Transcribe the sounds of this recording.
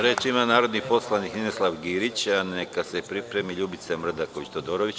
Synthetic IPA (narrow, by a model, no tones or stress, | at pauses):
ɾe̞ːt͡ʃimanaːɾo̞d̪nixpo̞slˠanikninoslˠaʋɡiɾit͡ɕanekasepɾipɾe̞miʎuːbit̪semr̩d̪akoʋit͡ɕt̪od̪oɾoʋit͡ɕ